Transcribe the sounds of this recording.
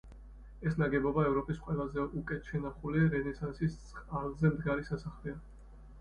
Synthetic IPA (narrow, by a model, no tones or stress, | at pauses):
ɛsnaɡɛbɔbaɛvɾɔpʼisqʼwɛlˠazɛukʼɛt̪ʰʃɛnaχuliɾɛnɛsansissʼχʼalˠzɛmd̪ɡaɾisasaχlɛa